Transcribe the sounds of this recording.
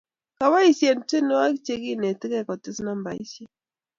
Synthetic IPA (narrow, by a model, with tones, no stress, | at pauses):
ka˨βa˦i˦sje˨n˦ti˦nɔ˦wa˦kt͡ʃe˦ɣi˦˨nɛ˨ti˦kɛ˦˨kɔ˨tɪ˦sna˦mba˨ḭ˦sjɛ˦